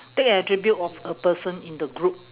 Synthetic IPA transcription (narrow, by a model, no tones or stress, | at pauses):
tekɛtɹibjutɔfəpəsə̃nĩndəɡɹup̚